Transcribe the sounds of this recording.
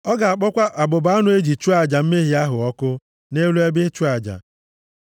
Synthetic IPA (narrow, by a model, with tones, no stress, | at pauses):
ɔ˦ɡa˨a˨k͡pɔ˦kʷa˦ʔa˨bʊ˨ba˦nʊ˦e˦d͡ʒi˨t͡ʃu˦a˨d͡ʒa˨m̩˦me˦ɦi˨a˦ɦʊ˨ɔ˦kʊ˦ | ne˦lu˦e˦be˦t͡ʃu˦a˨d͡ʒa̰˨